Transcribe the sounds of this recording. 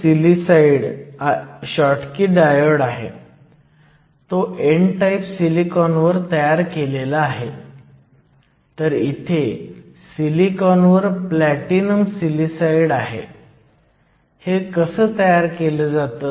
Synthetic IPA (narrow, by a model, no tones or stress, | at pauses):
silisaiɽ | ɕɔʈkiːɖajəɽaɦḛ | t̪oʔeɳʈaipsilikɔnʋəɾt̪əjaɾkelelaːɦe | t̪əɾit̪ʰe | silikɔnʋəɾplæʈinəmsilisaiɽaɦḛ | hekəsəːt̪əjaɾkeləd͡zat̪ə